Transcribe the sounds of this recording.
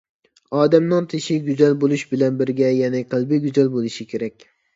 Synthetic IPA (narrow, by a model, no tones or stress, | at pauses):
ɒːd̪amnɪŋt̪ʰɪʃɪɡʲʊzalbolˠɪʃbɪlanbɪɾɡʲajanɪqʰɨlˠbɪɡʊzalbolˠɪʃɪkʲʰeɾakʲ